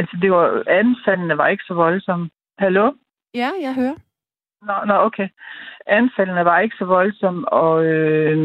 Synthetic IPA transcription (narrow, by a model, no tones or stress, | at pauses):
ælsəde̝ʋɑ̈ænfælənəʋɑ̈e̝ɡ̥ə̥sɒ̽ʋɒ̽lsɒ̽m̰ə | hælo̝ | jæjaɪɦøːɐ | nɒnɒʔokʰeɪʔænfælənəʋɑ̈e̝ɡ̥əsɒ̽ʋɒ̽lsɒ̽m̰ɒ̽ø